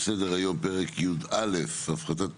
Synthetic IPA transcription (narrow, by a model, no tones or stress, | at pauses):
sed̪eʁajo̞mpeʁekjud̪alefafχat̪̬at